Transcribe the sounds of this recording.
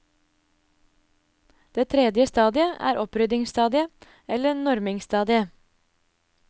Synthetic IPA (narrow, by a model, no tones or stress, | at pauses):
d̪̥eːt̪ʰɾɛd̪jəst̪ɑːd̪ɪəʔæ̰ːɾʔɔpɾʏd̪ɪŋst̪ɑːd̪ɪə | ɛlənɔɾmɪŋst̪ɑːd̪ɪə